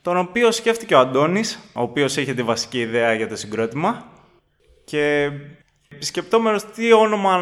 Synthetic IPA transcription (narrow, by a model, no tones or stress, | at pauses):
t̪o̞no̞pio̞sce̞ft̪ice̞oɐnd̪o̞niso̞ːpio̞siçet̪ivɐsi̥ciːðe̞ɐʝɐt̪osiɡɾo̞t̪imɐ | ce̞ | pi̥sce̞p̚t̪o̞me̞no̞st̪io̞no̞mɐ